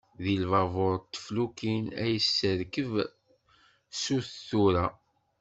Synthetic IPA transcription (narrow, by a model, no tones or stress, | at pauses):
ðilvɑvoɾˤt̪ːə̥flukinæjəsːəɾkəv | suθθuɾæ